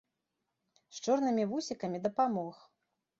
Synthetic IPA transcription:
st͡ʂɔrnɨmʲivusʲikɐmʲid̪ɐpamɔx

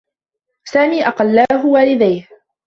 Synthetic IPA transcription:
saːmiːʔɑqɑlːaːɦʊwaːlɪd̪ajh

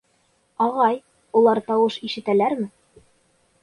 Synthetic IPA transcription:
ɑʁɑj | ulˠɑɾt̪ɑwɤʃiʃɘ̆t̪ælæɾmɘ

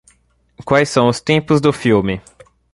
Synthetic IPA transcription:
kwajsːɐ̃w̃ʊst̪ẽpʊzd̪ʊfiwmɪ

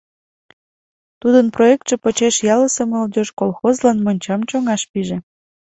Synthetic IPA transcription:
t̪ud̪ənproek̚t̪ʃĕpot͡ɕeʃjɑləsəməld̪ʲoʃkolxozlɑnmonʲt͡ɕɑmt͡ɕoŋɑʃpiʒĕ

